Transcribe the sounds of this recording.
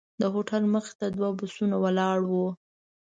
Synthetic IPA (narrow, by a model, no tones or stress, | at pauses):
d̪əɦoʈalməxɪ̥t̪ad̪wabʊsunawəlɑɽwu